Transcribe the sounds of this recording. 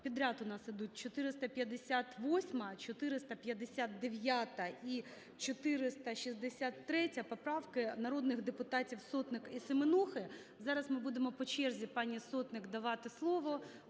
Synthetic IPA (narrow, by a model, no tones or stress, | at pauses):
pʲid̪ɾʲat̪ʊnɑsid̪ut̚ʲt͡ʃɔt̪ɪɾɪst̪ɐpʲjɐd̪esʲat̪ʋɔsʲmɐt͡ʃɔt̪ɪɾɪst̪ɐpʲjɐd̪esʲat̪̚d̪eʋʲjat̪ɐi | t͡ʃɔt̪ɪɾɪst̪ɐʃizd̪esʲat̪ːɾɛtʲɐpɔpɾɑʋkɪnɐɾɔd̪nɪxd̪epʊt̪ɑtʲiwsɔt̪nɪkisemɪnuxɪ | zɑɾɐsmɨbud̪emɔpɔt͡ʃɛrzʲipɑnʲisɔt̪nɪkd̪ɐʋɑt̪ɪslˠɔʋɔ